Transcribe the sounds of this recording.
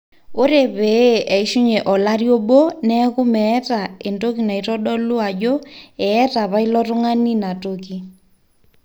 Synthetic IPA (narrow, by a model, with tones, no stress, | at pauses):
ʊ˦ɾe˨βe˨ʔɛ˨i˦ʃu˦ɲɛ˨ʔɔ˨la˦ri˦ɔ˦ɓo˦nɛkʊ˦mɛ˦ta˨ɪ˨ndo˦ki˨na˨i˨tɔ˦ɗɔ˦lʊ˦a˨d͡ʒɔ˦ɛ˨ɛ˦ta˨βa˦i˦lɔtʊ˦ŋa˦ni˦na˨toki